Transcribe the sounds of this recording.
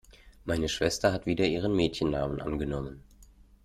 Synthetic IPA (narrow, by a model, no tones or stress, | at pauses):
maɪnəʃv̥ɛstɐhatv̥iːdɐʔiːʁ̞ənmɛːtçənːaːmənʔa̰nɡənɔmən